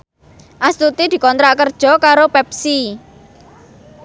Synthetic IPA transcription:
ʔast̪ut̪id̪̥i̤kɔnt̪ɾaʔkərd̥ʒ̥ɔ̤kaɾopɛp̚si

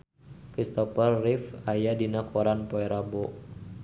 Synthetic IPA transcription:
kɾist̪ɔfərːifajadinakʰoɾanpoɛɾaboʔ

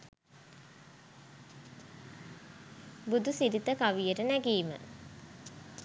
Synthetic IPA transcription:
bud̪usiɾit̪əkaʋijəʈənæɡiːmə̰

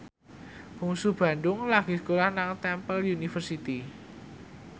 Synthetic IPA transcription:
b̥uŋsub̥ä̤ɳɖʊŋlaɡ̥i̤skolahnaŋt̪ɛmpəljunifərsit̪i

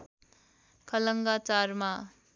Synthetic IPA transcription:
kʰʌlʌŋɡat͡saɾma

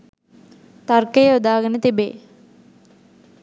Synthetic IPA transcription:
t̪arkejud̪aːɡənət̪ibḛː

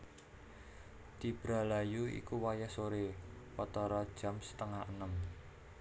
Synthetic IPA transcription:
t̪ib̥ɾalajuḭkuwajasoɾepat̪aɾad̥ʒ̥a̤msə̥t̪əŋaənəm

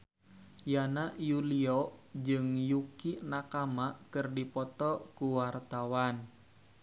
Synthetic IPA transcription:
janaʔjuliɔd͡ʒɨŋjukinakamakɨrdipɔt̪ɔkuwart̪awan

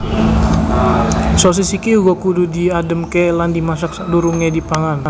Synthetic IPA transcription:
sos̬isikiuɡokududiadəmkɛlandimas̬ak̚saduɾuŋɛdipaŋan

